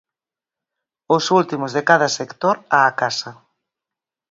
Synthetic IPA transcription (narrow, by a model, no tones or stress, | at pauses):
ʊsult̪imʊzðekaðɐsekt̪oɾaːkasɐ